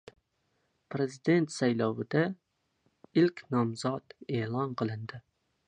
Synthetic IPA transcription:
pɾezid̪ent̪sɛjlˠɑwɨd̪ɛ | ilkʲnɒmzɑt̪eːlˠɑnqʰəlˠɨnd̪ɪ

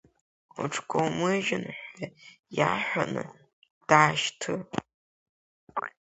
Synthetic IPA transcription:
uʈ͡ʂʰkʰʷowmɨʒɪnħaja̰ːħʷanɨ̰ | d̥aːʃtʰɨ

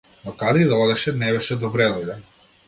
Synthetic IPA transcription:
nɔkad̪ɛid̪aɔd̪ɛʃɛnɛβɛʃɛd̪ɔbɾɛlˠɔla

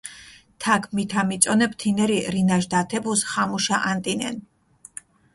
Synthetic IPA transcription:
t̪ʰakʰmit̪ʰamit̪sʼɔnɛpʰt̪ʰinɛɾiɾinaʒd̪at̪ʰɛbusχamuʃaʔant̪ʼinɛ̰n

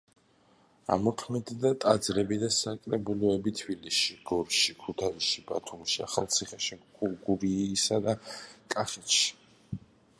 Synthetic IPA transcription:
a̰mɔkʰmid̪d̪at̪ʼad̪zɾɛbid̪asakʼɾɛbulˠɔɛbit̪ʰbilisʃiɡ̥ɔɾʃikʰut̪ʰaisʃibat̪ʰumʃia̰χalˠt̪sʰiχɛʃiuɡuɾisad̪akʼaχɛt̪ʃi̥

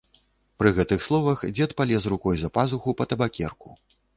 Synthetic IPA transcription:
pɾɨɣɛt̪ɨxslˠɔvɐxd͡zʲɛt̪palʲɛs̬rukɔjzɐpazuxupɐt̪ɐbakʲɛ̰rku̥

